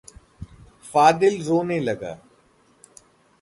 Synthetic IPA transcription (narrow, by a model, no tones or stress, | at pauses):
faːd̪ɪlzoːnẽːləɡa̰ː